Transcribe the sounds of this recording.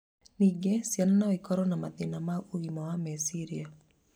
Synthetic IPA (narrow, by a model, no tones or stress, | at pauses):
niɡesjannɔikɔɾɔnamad̪ɪnamauimɔwamɛsiɾia